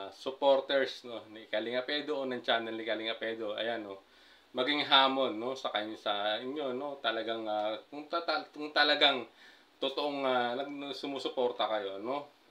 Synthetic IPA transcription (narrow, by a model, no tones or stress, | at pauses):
sʊpo̞ɾt̪ɛɹsno̞nɐʔɪkalɪŋɐpɛːd̪oʔonɐŋt͡ʃannɐŋlɪkalɪŋɐpɛːd̪o̞ʔɐ̰jano | mɐɡɪŋɦaːmo̞nːo̞sɐkaɲsɐɪɲjo̞no̞t̪ɐlɐɡaŋakʊŋt̪ɐɐkʊŋt̪ɐlɐɡaŋ | t̪ot̪oʔoŋanɐɡ̪̚ɐsʊmuːsʊpo̞ːɾt̪ɐkɐjo̞no̞